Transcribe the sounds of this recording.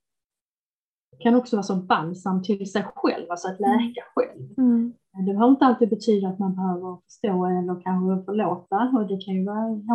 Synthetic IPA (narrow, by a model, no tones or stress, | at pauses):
kʰanɔksɔvɑːɾsɔbansamːt̪ʰɪlsɛjɧɛ̰lvalsɔat̪lɛːkaɧɛ̰lv | d̪ɛbhaɾɪnt̪əalt̪iːd̪̚bɛt̪ʰyːd̪aat̪manbɛhøːvəɾɔfœ̥ʂt̪oːɛlːəɾkʰanɧəɔfœɭoːt̪aɔd̪ɛkʰanjɵvɑːh